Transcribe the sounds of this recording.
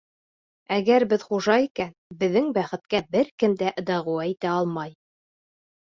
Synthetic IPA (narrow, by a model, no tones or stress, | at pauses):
æɡæɾbɘðχuʒɑikænbɘ̆ðːɘŋbæχɘ̆t̪̚kæbɘɾkɘmd̪æʔɤ̆d̪ɑʁuæit̪æɑlˠmɑj